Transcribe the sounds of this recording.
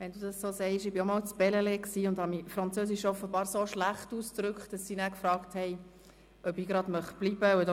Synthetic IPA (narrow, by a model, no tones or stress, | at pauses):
ʋɛnd̥̪udɑssoːsɛɪʃɪbiomɔlt͡sb̥ɛləlɛksiːʊnd̥hɑmifɾɑnt͡søːsɪʃɔfəbɑːɾsoʃlæχtuːstɾʏkχtd̥ɑsːiːnæːkfrɑːkthɛɪ | ʔœbiːɡɾɑdmœχtb̥libəd